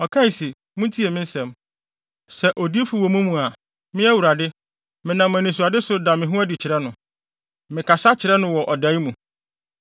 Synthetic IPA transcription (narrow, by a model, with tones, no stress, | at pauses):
ɔ˨kʰã˦˨si˨ | mũ˦tʰi˦e˨mɪ̃˦n̩˦sɛ̃˨m | sɛ˨ʔo˨di˦fu˨wɔ˨mũ˦mũ˨a˨ | mɪ̃˦æ˦wu˨ɾa˨dɪ˦ | mɪ̃˨nã˨m˨æ̃˨nĩ˨s̬u˨a˨dɪ˦sʊ˨da˨mɪ̃˨ɦũ˦æ˦dɪ˨t͡ɕʰɪ˨ɾɛ˦nʊ̃˨ | mɪ̃˨kʰa˨sa˦t͡ɕʰɪ˨ɾɛ˦nʊ̃˦wɔ˨ʔɔ˨da˨˦i˦mũ˨